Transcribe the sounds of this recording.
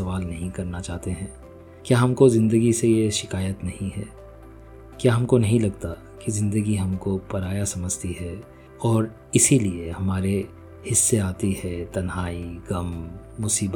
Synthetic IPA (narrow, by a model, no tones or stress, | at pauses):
ɐʋaːlnɐɦĩkɐɾnat͡ʃaːɦt̪eɦɛ̃ː | kjaːɦɐmkozɪ̃nd̪əɡisejeʃɪkaːjət̪nɐɦĩɦɛː | kjaːɦɐmkonɐɦĩlɐɡt̪a | kizɪ̃nd̪əɡiɦɐmkopɐɾaːjasɐməd͡ʒt̪iɦɛː | ɔːɾ | ɪsiliehɐmaːɾe | hɪsːeaːt̪iɦɛt̪ɐnɦaːiɡɐmːʊsiːbə